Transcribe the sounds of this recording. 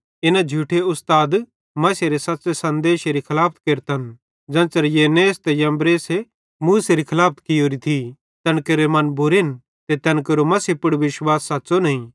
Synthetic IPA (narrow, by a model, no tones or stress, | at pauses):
ɪnad͡ʒʱuːʈʰeʊst̪aːd̪ | mɐseɾesɐːsesɐ̃nd̪eːʃeɾikʰɐlaːp̚ʰt̪keɾt̪ʰɐn | d͡ʒɐ̃ːt͡ʃɐɾjeːneːst̪ejɐ̃mbɾeːse | muːseɾikʰɐlaːp̚ʰt̪kijoːɾit̪ʰi | t̪ɐnkeɾemɐnbʊɾin | t̪et̪ɐnkɐɾomɐsipʊɽʋɪʃwaːsːatːsonɐĩ